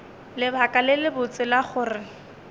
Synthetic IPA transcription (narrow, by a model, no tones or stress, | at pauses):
lɪbʱakʼalɪlɪbʊt͡sʼɪlaχʊːrɪ